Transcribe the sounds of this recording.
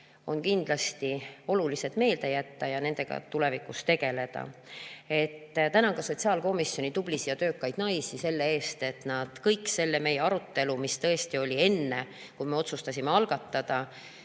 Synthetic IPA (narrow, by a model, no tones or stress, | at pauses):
o̞nkind̪̥lɑst̪io̞lulise̞d̪̥me̞ːld̪e̞jæt̪ːɑjɑne̞nd̪̥e̞ɡ̥ɑ̰t̪ule̞vikˑust̪e̞ɡ̥e̞le̞d̪̥ɑ̰e̞t̪ːt̪ænɑɡ̥ɑso̞t̪ʲsiɑːlko̞misːjo̞nit̪ub̥lisijɑt̪ø̞ːkːˑɑjd̪̥nɑjsise̞lːee̞ːst̪e̞t̪nɑd̪̥kɤjkːse̞lːe̞me̞je̞ɑɾut̪ːe̞lumist̪ɤe̞st̪io̞lʲie̞nːe̞ | kujme̞o̞t̪sust̪ɑsʲimeɑlɡ̥ɑt̪ːɑd̪̥ɑ